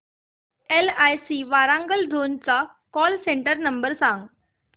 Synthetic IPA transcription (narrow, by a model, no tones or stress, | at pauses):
elajsiːʋaːɾãŋɡəld̪ʱoːnt͡sa | kɔːlsẽɳʈəɾnəmbəɾsãŋɡ